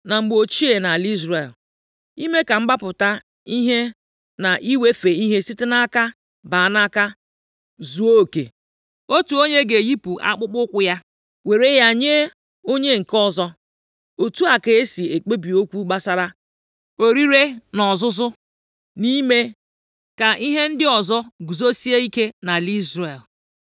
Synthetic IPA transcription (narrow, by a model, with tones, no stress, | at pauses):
na˨ŋ͡m̩˨ɡ͡bo˨t͡ʃi˦e˨na˨li˦zɾe˨l | i˦me˦ka˨m̩˦ɡ͡ba˦pʊ˨ta˦ | i˦ɦe˦ | na˨ʔi˦we˦fe˨i˦ɦe˦si˦tɪ˦na˦ka˦ | ba˨na˦ka˦ | zu˨o˦˨kḛ˨ | o˦tu˨o˦ɲe˦ɡe˨ji˦pu˨ʔa̰˦k͡pʊ˦k͡pʊ˦kʷʊ˦ja˦ | we˨ɾe˦ja˦˨ɲe˦ | o˦ɲe˦ŋ̩˨kɔ˦zɔ˦ | o˨tu˦a˨ke˨e˦si˨e˨k͡pe˦bi˨o˦kʷu˦ɡ͡ba˦sa˦ɾa˦ | o˨ɾi˦ɾe˦nɔ˨zʊ˦zʊ˦ | ni˦me˦ | ka˨ʔi˦ɦe˦n̩˦dɪ˦ɔ˨zɔ˦ɡu˨zo˦si˦e˦i˦ke˦na˨li˦zɾe˨l